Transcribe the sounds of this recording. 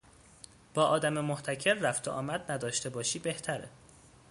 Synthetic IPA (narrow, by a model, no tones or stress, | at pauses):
b̥ɒːʔɒːd̪æme̞moht̪ʰæcʰe̞ɾːæft̪ʰoʔɒ̰ːmæd̪næd̪ɒːʃt̪e̞bɒːʃiːbe̞ht̪ʰæɾḛ